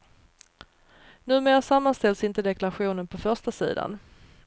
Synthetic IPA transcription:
nʉ̟ːmeːɾasamːanst̪ɛlsɪnt̪əd̪ɛklaɾaɧuːnənpʰɔfœʂtasḭːd̪a̰n

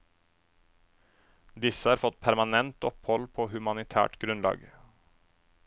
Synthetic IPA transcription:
d̪ɪsəhɑːɾfɔt̪̚pʰæɾmɑnɛnt̪ɔphɔlpʰoːhʉmɑnɪt̪ʰæ̰ːʈɡɾʉnlɑ̰ːɡ

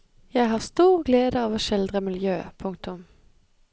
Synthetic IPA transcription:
jæɪɦɑːʁst̪uːʁɡleːd̪əɑːʋoːʃɛld̪ʁəmɪljøːpʰʊŋk̚t̪ʊm

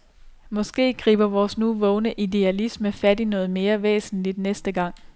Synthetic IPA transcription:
mɒ̽sɡ̥e̝̰ːɡ̥ʁḭːb̥ɐʋɒːsnuʋɔ̽ʊnəʔid̥e̝ælisməfæd̥inɔ̽ːð̞̩ˠme̝ːɐʋḛːsn̩lid̥nesd̥əɡ̥ɑ̈ŋ̰

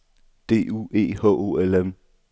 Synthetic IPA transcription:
d̥e̝̰ːṵːe̝̰ːhɔ̰ːʔo̝̰elem

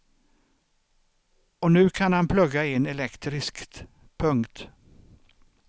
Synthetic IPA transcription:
ɔnʉ̟ːkʰanhanpʰlɵɡːaɛnɛlɛkt̪ɾɪskt̪ | pʰɵŋkt̪

